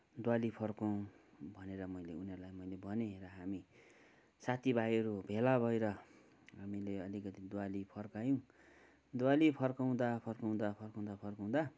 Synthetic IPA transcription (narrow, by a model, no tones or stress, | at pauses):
d̪walipʰʌrkõ | bʱʌneɾʌmʌjleunʌrlajmʌjlebʌneɦeɾʌɦami | sat̪ʰibʱajʌɾubʱelabʱʌjɾʌ | ɦamileʌlikʌt̪id̪walipʰʌrkajõ | d̪walipʰʌrkaw̃d̪apʰʌrkaw̃d̪apʰʌrkaw̃d̪apʰʌrkaw̃d̪a